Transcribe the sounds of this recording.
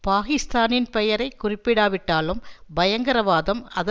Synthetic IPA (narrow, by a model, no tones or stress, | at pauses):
paːɣɪst̪aːnɪnpɛjɐɾɐɪkːʊrɪpːɪɽaːʋɪʈːaːlɯmbɐjɐŋɡɐɾɐʋaːðɐmɐðɐ